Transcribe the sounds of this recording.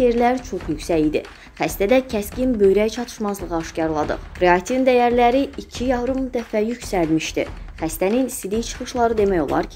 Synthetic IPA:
eɾlæɾt͡ʃʰo̞χjycsæɟid̪ḭ | χæst̪æd̪æcʰæscʲinbø̞jɾæt͡ʃʰɑt̪ʰɯ̥ʃmɑzlˠɯʁɑɑʃcɑɾlˠɑd̪ɯ̰χɾeɑkt̪ʰivind̪æjæɾlæɾiicʰijɑɦɾumd̪æfæjyksælmiʃt̪ḭχæst̪æninsid̪ijt͡ʃʰɯ̥χɯʃlˠɑɾɯd̪e̞mæjo̞̰lˠɑ̰ɾkʰ

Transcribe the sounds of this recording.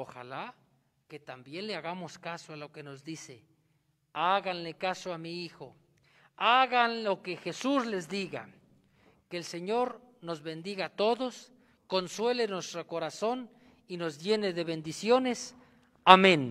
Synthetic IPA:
oxa̰la | ket̪ambjenleaɣamoskasoalokenozd̪isḛ | aɣanlekasoamiixo | aɣanlokexesuslezd̪iɣa̰ | keːlseɲoɾ | nozβend̪iɣat̪oðos | konswe̞lenwest̪ɾokoɾason | inozdjeneðeβe̞nd̪isjones | amẽn

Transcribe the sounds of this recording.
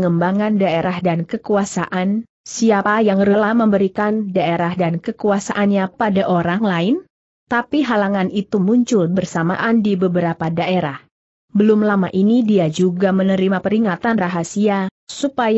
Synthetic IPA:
ŋəmbaŋandaeɾahdankəkuasa̰ʔan | siapajaŋɾəlahməmbəɾikandaeɾahdankəkuasaʔanɲapadaʔoɾaŋlaɪn | t̪apiɦalaŋanit̪umuɲt͡ʃʊlbərsama̰ʔandibəbəɾapadaʔeɾah | bəlʊmlamaʔinidiad͡ʒuɡamənəɾimapəɾiŋat̪anraɦasiasupaj

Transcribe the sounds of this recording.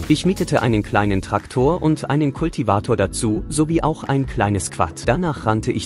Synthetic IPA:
ʔɪçmiːtətʰəʔa̰ɪnənkl̥aɪnəntʁ̥aktʰoːɐʔʊntʔa̰ɪnənkʰʊltʰivaːtʰoːɐdat͡suːzoviːʔa̰ʊxʔa̰ɪnkl̥aɪnəskv̥a̰td̥anaːχʁ̥antʰəʔɪç

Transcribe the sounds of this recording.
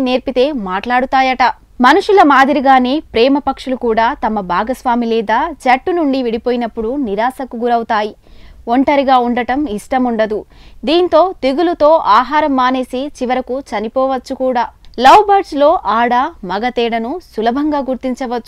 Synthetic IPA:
neːɾpit̪e̞ːmaːʈlaːɽut̪aːjɐʈɐ | mɐnuʂulɐmaːd̪iɾiɡaːne̞ːpɾɛːmɐpɐkʂɐlukuːɽaːt̪ɐmɐbʱaːɡɐsʋaːmilɛːd̪aːt͡ʃɐʈːunuɳɖiʋiɽipoːjinɐpːuɽuniɾaːsɐkuɡuɾɐwt̪aːjioɳʈɐɾiɡaːuɳɖɐʈɐmiʂʈɐmuɳɖɐd̪ud̪iːnt̪o̞ːt̪eɡulut̪o̞ːʔaːɦaːɾɐmːaːne̞ːsit͡ʃiʋɐɾɐkut͡ʃɐnipɔːʋɐt͡ʃːukuːɽaːlɐwbɐɾslo̞ːʔaːɽaːmɐɡɐt̪ɛːɽɐnusulɐbʱɐŋɡaːɡuɾt̪iɲt͡ʃɐʋɐt͡ʃːu

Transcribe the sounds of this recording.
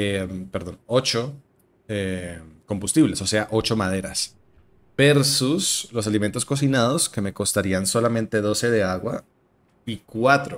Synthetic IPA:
empe̞ɾðo̞no̞t͡ʃo̞ | eko̞mbust̪iβle̞so̞se̞aʔo̞t͡ʃo̞mað̞e̞ɾas | b̥e̞ɾsuslo̞s̬aliment̪o̞sko̞s̬inað̞o̞ske̞me̞ko̞st̪aɾianso̞lamẽ̞nt̪e̞ðo̞se̞ðe̞aɣwa̰ | ikwat̪ɾo

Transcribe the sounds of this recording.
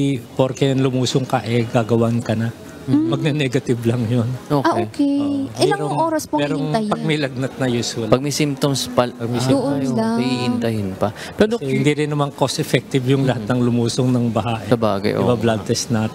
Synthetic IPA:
ipoɾkɛjɐnlʊmuːsʊŋkɐʔɛɡaɡɐwankɐna | mɐɡ̚nɐnɛɡɐt̪ɪblɐŋjonoːkʔaʔoːkɛʔmɪɛlaŋɾoŋʔoːɾɐspomɛːɾoŋɐjɐɡ̚mɪlɐɡ̚nɐt̪̚nɐjuswɐlpɐɡ̚mɪsimpt̪omspɐpɐɡ̚misʔolaihɪnt̪ɐhɪnpɐ | pɛdohɪnd̪iɾɪnːɐmankosɛfɛk̚t̪ɪbjʊŋlɐhat̪nɐŋlʊmuːsoŋnɐŋbɐɦaʔɛɐbaːɡɐ̰jʔo̰bablad̪ɛsnat̪

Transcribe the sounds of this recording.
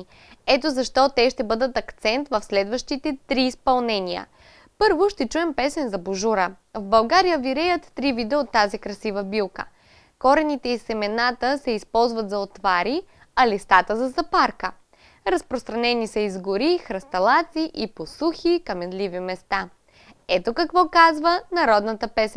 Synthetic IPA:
ɛt̪ozɐʃt̪ɔt̪ɛʃt̪ɛbɤd̪ət̪ɐkt̪sɛnt̪vɐfslɛd̪vəʃt̪it̪ɛt̪ɾiːspɐlˠnɛniə̰ | pɤɾvoʃt̪ɛt͡ʃuɛmpɛsɛnzɐboʒuɾə | vbɐlˠɡaɾijəviɾɛjət̪ːɾivid̪əot̪ːazikɾɐsivəbilˠkə̰ | kɔɾɛnit̪ɛisɛmɛnat̪əsɛispɔlˠzvɐt̪zɐot̪vaɾi | ɐlist̪at̪əzɐzɐpaɾkə | ɾɐspɾost̪ɾɐnɛnisɐizɡʊɾixɾɐst̪ɐlˠat̪siʔiposuxikɐmɛnlivimɛst̪a | ɛt̪okɐkvɔkazvənɐɾɔd̪nət̪əpɛsɛn

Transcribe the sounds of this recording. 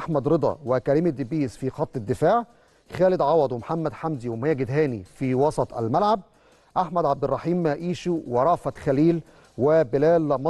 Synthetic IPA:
ʔaħmæd̪ɾɨd̪ˤɑ̰wɪkæɾiːmid̪ɪbiːsfiːxɑt̪ˤːɪd̪ːɪfaːʕ | xæːlɪd̪ʕɑwɑd̪ˤwmħamːæd̪ħamd̪iwɪmæjæɡɪd̪ɦæːnifiwɑsˤɑt̪ˤæ̰lmælʕab̚ | ʔaħmæd̪ʕab̚d̪ɪrˤːɑħiːmːæʔiːʃuweɾˤɑʕfæt̪xæliːl | wɪbɪlæːlmɑ

